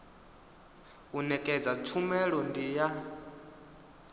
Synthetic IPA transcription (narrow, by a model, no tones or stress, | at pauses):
unɛkʼɛd͡zatʰumɛɺɔndija